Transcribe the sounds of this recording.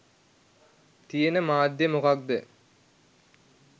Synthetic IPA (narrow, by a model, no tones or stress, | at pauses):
t̪ijenəmaːd̪jemukak̚d̪e